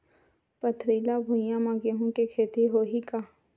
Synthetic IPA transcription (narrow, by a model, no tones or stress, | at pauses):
pət̪ʰɾiːlabʱʊjãmãɡeɦũkekʰeːt̪iɦoːɦikaː